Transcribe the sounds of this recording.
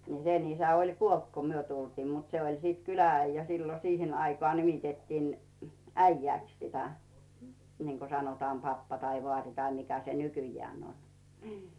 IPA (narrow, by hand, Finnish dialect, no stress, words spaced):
ni sen isæ olʲ kuolt ko myø tultiːm mut se olʲ sit kylææijːæ silːo siːhen ɑikŏɑˑ nimitetːiːn æijːæˑks sitæ niŋko sɑnotɑːm pɑpːɑ tɑi ʋŏɑˑri tɑi mikæ se nykyjːæːn on n̥i̥ː